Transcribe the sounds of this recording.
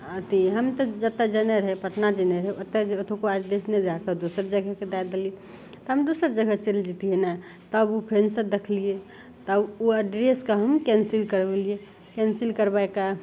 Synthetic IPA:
ət̪iɦəmt̪ɔd͡ʒət̪ed͡ʒəneɾɦɛpəʈnad͡ʒəneɾɦɛot̪ːeot̪okoɛɖɾesned̪akəd̪osəɾd͡ʒəɡʱəked̪ajd̪elie | t̪ɔɦəmd̪osəɾd͡ʒəɡʱət͡ʃeld͡ʒit̪iɦena | t̪əbupʰensəd̪ekʰlie | t̪əbuəɖɾeskaɦəmkɛnsilkəɾbelie | kɛnsilkəɾbaeka

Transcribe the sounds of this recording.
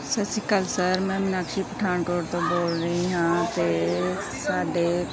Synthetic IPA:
səsikəlsəɾmɛ̃ːmɪnakʃipəʈʰaːɳkoːɾt̪õboːlɾəɦĩɦãːt̪e | saːɖeː

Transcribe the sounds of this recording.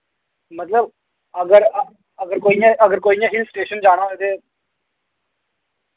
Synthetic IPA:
mət̪ləb | əɡəɾ | əɡəɾkoːijãːəɡəɾkoːijãːɦɪlsʈeːʃənd͡ʒaːɽ̃ãːet̪eː

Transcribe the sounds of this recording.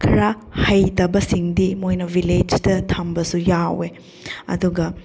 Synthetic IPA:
kʰɐɾa | hɐjtɐbɐsiŋdimojnɐviled͡ʒtɐtʰɐmbɐsujawe | ɐ̰duɡɐ

